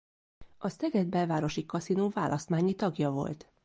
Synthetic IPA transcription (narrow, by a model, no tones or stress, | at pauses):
ʔɒsɛɡɛd̪̚bɛlvaːɾo̞ʃikɒsinoːva̰ːlʔɒst̪maːɲit̪ɒɡjɒvo̞̰lt̪